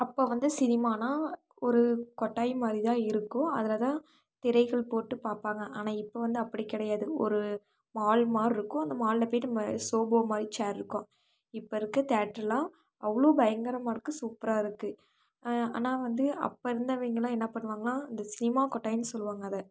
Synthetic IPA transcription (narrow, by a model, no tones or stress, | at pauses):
ɐpːoːʋɐnd̪ɯsɪnɪmaːnaː | ɔɾɯkɔʈːaːjmaːd̪ɾit̪ãːɪɾɯkːʊ̃ɐ̰ðɐlɐt̪ãː | t̪ɪɾɐɪɣɐɭpoːʈːɯpaːɾpaːŋɡɐʔaːnãːɪpːoːʋɐnd̪ɯɐpːɐɽikːɪɽɐjaːðɯɔ̰ɾɯ | maːlmaːɾɪɾɯkːʊ̃ɐnd̪ɐmaːllɐpeːnmɐsoːboːmaːd̪ɾit͡ʃaːɾɪɾɯkːõ | ɪpːoɪɾɯkːɯt̪aːʈɾɐlãː | ɐʋɐɭoːbɐjɐŋɡɐɾɐmaːɾɯkːɯsuːpɪɾaːɪɾɯkːɯ | a̰ːnaːʋɐnd̪ɯɐ̰pːɐɪɾɯnd̪ɐʋiːŋɡɐɭlãːɛnːɐpɐɳːɯʋaːŋɡɐɭãːɐnd̪ɐsɪnɪmaːkɔʈːaːjɪnːɯsɔlːʋaːŋɡɐðɐ